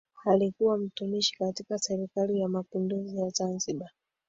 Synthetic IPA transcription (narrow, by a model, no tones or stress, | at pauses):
alikuwam̩tumiʃi̥katikasɛɾikalijamapinduzijazanziɓa